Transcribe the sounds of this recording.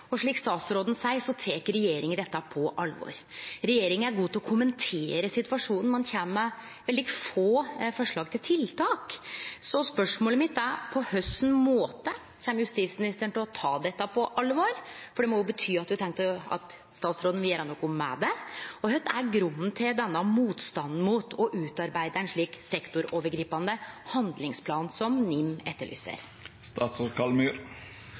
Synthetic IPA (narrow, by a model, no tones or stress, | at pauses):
ɔʂɭiːkst̪ɑːt̪sɾoːd̪n̩sæɪsɔt̪ʰeːkəɾɛjeːɾɪŋənd̪ɛt̪ːɑpʰɔʔɑlʋɔ̰ɾɾɛjeːɾɪŋənæɾɡuːt̪ʰɪlɔkʰʊmənt̪ʰeːɾəsɪt̪ʋɑʂuːnn̩mɑnçæːməmɛ | ʋɛld̪ɪkəfoːfɔʂɭɑːɡt̪ʰɪlt̪ʰɪlt̪ʰɑːksɔspœʂmoːləmɪt̪ːæɾpʰɔhœst̪n̩moːt̪ə | çæːmjʉst̪iːt̪smɪnɪst̪əɳt̪ʰɪlɔt̪ʰɑːd̪ɛt̪ːɑpʰɔʔɑlːʋɑɾfɔɖɛmɔjʊbət̪ʰyːɑt̪̚d̪ʉt̪ʰɛŋkt̪əɑ̰t̪ | st̪ɑːt̪sɾoːd̪n̩ʋɪæːɾɑnɔkʊmmːɛ̰d̪ɛɔhœt̪ːæɾɡɾʉnːn̩t̪ʰɪld̪ɛnːɑmuːt̪st̪ɑnn̩muːt̪ʰɔʔʉːt̪ɑɾbæɪd̪əɛnʂɭiːksɛkt̪ʊɾoːʋəɾɡɾiːpɑnd̪əhɑnd̪lɪŋspʰlɑːnsɔmnɪmːɛt̪ːəɭy̰ːsə̰ɾ | st̪ɑːt̪sɔɾkɑlmyːɾ